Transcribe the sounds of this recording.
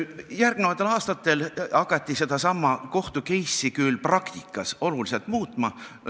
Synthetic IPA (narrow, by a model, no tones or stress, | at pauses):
jærɡ̥mnevɑt̪ːˑelɑːst̪ɑt̪ːˑe̞lɑkːˑɑt̪ʲˑːise̞d̪ɑsɑmːɑko̞ht̪uke̞jsːikylprɑkt̪ikːˑɑso̞lulise̞lt̪ˑmuːt̪ˑmɑ